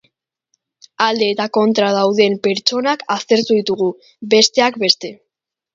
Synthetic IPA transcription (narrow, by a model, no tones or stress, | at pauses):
ald̪e̞ːt̪ako̞nt̪ɾað̞awðe̞mpe̞ɾt͡ʃo̞nakast̪e̞ɾt̪uðit̪uɣ̞u | be̞st̪e̞akbe̞st̪e̞